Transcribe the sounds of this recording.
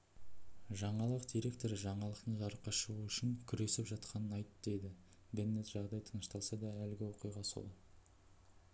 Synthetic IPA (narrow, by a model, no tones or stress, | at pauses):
ʒɑɴɑlˠəqd̪ijɾe̞k̚t̪o̞ɾʒɑɴɑlˠəqt̪əɴʒɑɾəqːɑʃəʁuʏʃɪŋkʲʰʏɾe̞sɪpʒɑt̪qɑnənɑjt̪d̪e̞d̪ɪ | benːe̞t̪ʒɑʁd̪ɑjt̪ʰənəʃt̪ɑlˠsɑd̪ɑælɡʲɪwoqijʁɑso̰lˠə